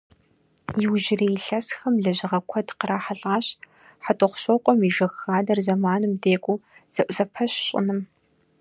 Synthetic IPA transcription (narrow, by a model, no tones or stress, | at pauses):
jɪwʒɪreːjɬɐsxɐmɮɐʑɪʁɐkʷʰɔdqəɾaːħaɬʼaːɕ | ħatʼɨχʷʊɕʷɔqʷʼɔmiʒɐxaːdɐrzɐmaːnɨmdeːkʷʼuz̥ɐʔʷʼzɐpʰɐɕɕʼɪ̰nɨm